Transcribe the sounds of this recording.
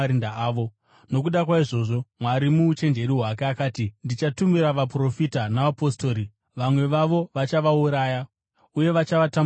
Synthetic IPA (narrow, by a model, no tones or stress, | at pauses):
ɾindaaːʋo̞ | no̞k̬uɗakwaiʐo̞ːʐo̞mwaɾimuːt͡ʃe̞nd͡ʒe̞ɾiɦwakeakaːtindit͡ʃatumiɾaʋapro̞fitanaʋapo̞sto̞ːɾi | ʋamwe̞ʋaʋo̞ʋat͡ʃaʋauɾaːja | uje̞ʋat͡ʃaʋata